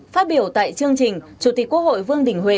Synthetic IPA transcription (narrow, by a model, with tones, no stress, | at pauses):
faː˦˥t̚ɓi˧˩əwt̪a̰ː˧˨jt͡ɕɨ˧əŋt͡ɕï˨˩ŋ̟t͡ɕu˧˩t̪i˨˩k̚kwəkho̰˧˨jvɨ˧əŋɗï˧˩ŋ̟hwe˧˨